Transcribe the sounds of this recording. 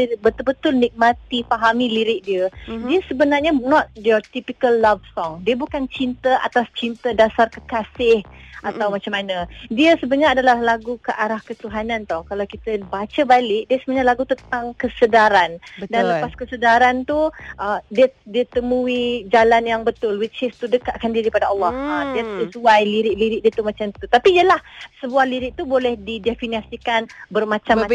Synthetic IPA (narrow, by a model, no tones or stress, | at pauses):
bət̪ʊlbət̪ʊlnik̚mat̪ifaɦamiliɾɪʔ̚diədiəsəbənarɲanɔt̪̚djɔt̪ipikəlːavsɔŋdiəbukant͡ʃint̪əʔa̰t̪ast͡ʃint̪ədasarkə̥kasɪhʔat̪awmat͡ʃamːanədiəsəbəɲaːdalahlaɡukəʔaɾahkət̪uɦanãnt̪ɔhkalawkit̪əbat͡ʃəbalɪʔ̚diəsəbnɲalaɡut̪ənt̪aŋkəsədaɾandanləpaskəsədaɾant̪uʔədiədiət̪əmuid͡ʒalanjaŋbət̪ʊlwit͡ʃɪst̪udəkaʔkandiɾipadaʔɑlːɔhədiəsəsuajliɾɪʔliɾɪʔ̚diət̪umat͡ʃamt̪ut̪apiːəlahsəbuahliɾɪʔ̚t̪ubolɛhdidefiniasikanbərmat͡ʃam